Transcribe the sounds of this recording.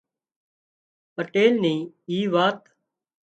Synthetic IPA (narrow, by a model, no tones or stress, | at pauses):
pəʈeːlnĩː | iːʋaːt̪